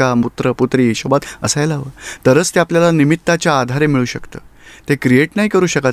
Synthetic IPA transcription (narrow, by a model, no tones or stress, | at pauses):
amut̪ɾəput̪ɾiːɕobat̪ə̰sajlaʋəːt̪əɾəːt͡st̪eapljalanimit̪ːat͡ɕjaːd̪ʱaɾemiɭuːɕəkt̪ə̰ːt̪ekɾijeʈnaɦikəɾuːɕəka